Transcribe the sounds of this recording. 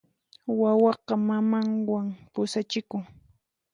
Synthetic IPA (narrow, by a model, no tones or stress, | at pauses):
wawɑqɑmamaŋwaŋpʊsat͡ʃɪkʊŋ